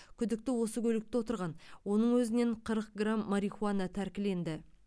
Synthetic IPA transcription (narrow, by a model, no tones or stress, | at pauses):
kʲʰʏd̪ɪk̚t̪ɪwo̞səkʲʰɵlɪk̚t̪ɪwo̞t̪əɾʁɑnwo̞nəɴwɵzɪne̞ɴqʰəɾəq̚ɡramːaɾiχuanɑt̪ʰæɾkʲɪle̞nd̪ɪ